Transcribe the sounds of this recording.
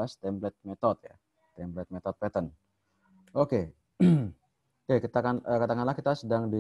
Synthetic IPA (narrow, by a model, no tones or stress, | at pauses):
ast̪ɛmblɛt̪̚met̪ɔt̪̚ja̰ | t̪ɛmblɛt̪̚mɛt̪ɔt̪̚pɛt̪ən | ʔoke | ɛkit̪akanəkat̪akanlahkit̪asədaŋdi